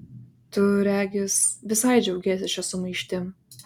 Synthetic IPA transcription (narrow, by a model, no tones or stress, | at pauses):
t̪ʊɾʲæːɡʲɪsʋʲɪsɐjd͡ʒʲɛʊɡʲeːs̬ʲɪʃʲɛsʊmɐɪʃʲt̪ʲɪ